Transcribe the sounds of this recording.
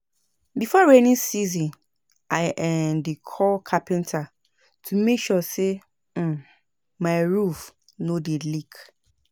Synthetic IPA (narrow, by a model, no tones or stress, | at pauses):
bifɔɹanĩnsizĩn | ʔaɪʔɛndikʰɔlkʰapɛ̃ntʰa | tʰumekʃɔse | maɪɹuf | nodelik